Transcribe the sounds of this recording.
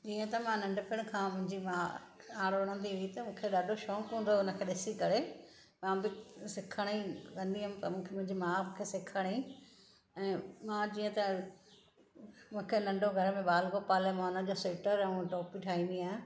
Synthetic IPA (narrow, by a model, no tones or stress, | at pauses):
d͡ʑiːə̃t̪ɐmãnɐ̃ɳɖʊpɪɽ̃kʰãːmʊ̃ɦɪ̃ɲd͡ʑimaːaːɽɐɽ̃ə̃nd̪iit̪ɐmũːkʰeɗaːɖʱoʃɔːkɦũnd̪oʊnə̆kʰeɗɪsikɐɾe | mãːbɪsɪkʰəɽ̃ĩkɐ̃nd̪iɦʊmt̪ɐmũːkʰmʊ̃ɦɪ̃ɲd͡ʑimaːmũːkʰesɪkʰəɽ̃i | ɛ̃ːmãd͡ʑiːə̃t̪ɐ | mũːkʰenɐ̃ɳɖʱoɡʱɐɾəmẽɓaːlkopaːlemãʊnəʄosɪʈəɾɛ̃ũʈɔːpiʈʰaːĩniaːɦɪ